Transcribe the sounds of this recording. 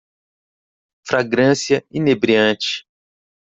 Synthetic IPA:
fɾaɡɾɐ̃siɐinebɾiɐ̃t͡ʃɪ̥

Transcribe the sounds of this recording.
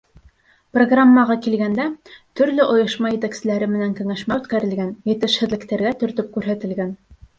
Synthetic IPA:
proɡramːɑʁɑkilɡænd̪æt̪ɵ̆ɾlɵʔŏjɤ̆ʃmɑjɘ̆t̪æksɘ̆læɾɘmɘ̆næŋkɘ̆ŋæʃmæʉt̪kæɾɘ̆lɡænjɘ̆t̪ɘ̆ʃhɘ̆ðlɘ̆kt̪æɾɡæt̪ɵ̆ɾt̪ɵp̚kʉɾɦæt̪ɘ̆lɡæn

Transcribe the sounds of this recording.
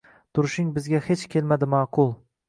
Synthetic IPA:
t̪ʰʊɾʃɪŋbɪzɡʲahet͡ʃkʲʰelmad̪ɪmɑqʰʊlˠ

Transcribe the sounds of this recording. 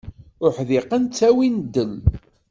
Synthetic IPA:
ʊħðɪqənt͡sːæwind̪ːəl

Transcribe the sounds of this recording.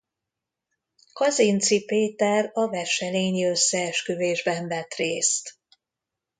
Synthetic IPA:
kɒzint̪sipeːt̪ɛrɒvɛʃɛleːniø̞sːɛːʃkøveːʒbɛɱvɛt̪reːst̪

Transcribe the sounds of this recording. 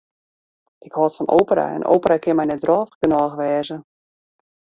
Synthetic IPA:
ʔɪkhɔːtfɔnʔoːpəɾa̰ɛ̰nʔo̰ːpəɾakʰɪnmɛjnɛdrɔːfɡənɔxʋɛːzə

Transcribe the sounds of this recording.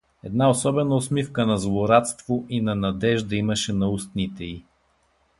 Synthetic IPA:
ɛd̪naosɔbɛnəosmifkənɐzvoɾat̪st̪voʔinɐnɐd̪ɛʒd̪ɐiməʃɛnɐust̪nit̪ɛi

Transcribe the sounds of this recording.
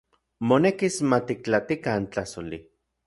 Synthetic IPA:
monekismat̪ik̚t͡ɬat̪ikant͡ɬasoli

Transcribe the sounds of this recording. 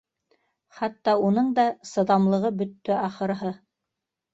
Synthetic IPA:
χæt̪ːɑunɤɴd̪ɑsɤ̆ðɑmlˠɤ̆ʁɤbɵ̆t̪ːɵɑχɤ̆ɾɦɤ

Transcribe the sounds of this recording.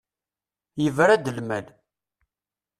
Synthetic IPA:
jəvɾæd̪əlmæl

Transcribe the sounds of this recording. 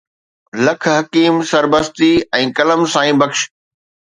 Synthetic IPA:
lɐkʰɦɐkiːmsɐɾbəst̪iɛ̃ːkɐləmsãːĩːbɐkʃ

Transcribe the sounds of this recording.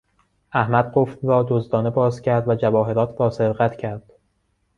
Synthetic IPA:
ʔæhmæd̪̥̚ɢoft̪ɾɒːd̪ozd̪ɒːne̞bɒːzcʰæɾd̪væd͡ʒævɒːɦe̞ɾɒːt̪ʰɾɒːse̞ɾɣæt̪ʰcʰæɾd̪̥

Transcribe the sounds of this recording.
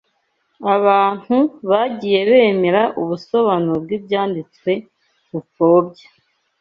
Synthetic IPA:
aβaːn̥huβaɟiːje̞βe̞ːme̞ɾaʔuβuso̞βanobɡibjaːndit͡skwe̞ | kufo̞ːbɟḁ

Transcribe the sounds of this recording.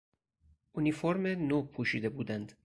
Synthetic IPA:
ʔunifoɾmenoːpʰuːʃiːd̪e̞buːd̪ænd̪

